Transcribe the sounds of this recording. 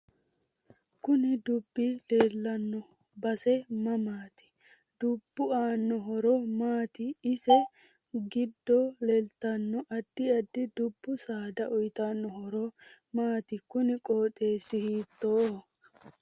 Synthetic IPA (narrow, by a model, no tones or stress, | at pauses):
kʊnɪd̪ʊbːɪle̞ːlːɐnːɔ | bɐsɛmɐmaːt̪ɪ̥ | d̪̥ʊbːʊaːnːɔɦɔɾɔmaːt̪ɪːsɛ | ɡɪd̪ːɔlelt̪ːɐnːɔʔɐd̪ːɪɐd̪ːɪd̪ʊbːʊsaːd̪ɐʔʊjt̪anːɔhɔɾɔ | maːt̪ɪkʊnɪkʼoːt̪ʼe̞ːsɪhiːt̪ːoː